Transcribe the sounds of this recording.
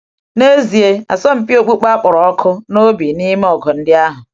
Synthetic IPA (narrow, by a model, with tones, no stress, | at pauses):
ne˦zi˨e˦a̰˨sɔ˦m̩˨pi˦o˨k͡pu˦k͡pa˦k͡pʊ˨ɾɔ˨ɔ˦kʰʊ˦no˦bi˨ni˦m˦ɔ˨ɡɔ˨n̩˦dɪ˦a˦ɦʊ˨